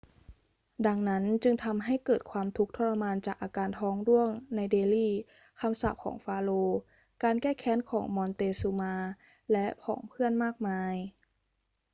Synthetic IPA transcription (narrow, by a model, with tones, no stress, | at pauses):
da˧ŋna˦˥nt͡ɕɯ˧ŋt̪ʰa˧mɦa˥˩jkɤː˨˩t̪̚kʰwaː˧mt̪ʰu˦˥k̚t̪ʰɔ˧˥la˧maː˧nt͡ɕaː˨˩k̚ʔaː˧kaː˧nt̪ʰɔː˦˥ŋdu˥˩əŋna˧jdeː˧liː˥˩ | kʰa˧msaː˨˩p̚kʰɔ̰ː˩˦ŋfaː˧loː˧ | kaː˧nkɛː˥˩kʰɛː˧˥˦nkʰɔː˩˦ŋmɔː˧nt̪eː˧suː˧maː˧ | lɛ˦˥ʔpʰɔ̰ː˩˦ŋpʰɯ˥˩ənmaː˥˩k̚maː˧j